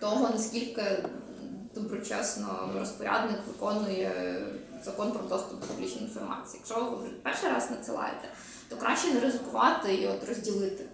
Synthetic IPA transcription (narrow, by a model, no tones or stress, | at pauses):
t̪ɔɦɔnɐsʲkʲilʲkɪ | d̪̥ɔbɾɔt͡ʃɛsnɔ̰ɾɔspɔɾʲa̰d̪nɪkʋɪkɔnʊjɛ | z̥ɐkɔnpɾɔd̪ɔst̪ʊp̚d̪ɔpublʲit͡ʃnɔjinfɔrmɑ̰t͡sʲjːjɐkʃɔʋpɛrʃijɾɑznɐt̪sɨlˠɑ̰jɪ̰t̪ɛ̥ | t̪ɔkɾʔɑʃt͡ʃɛnɛɾezɪkʊʋɑt̪ɪiɔt̪rɔzʲdʲilˠɪt̪ɪ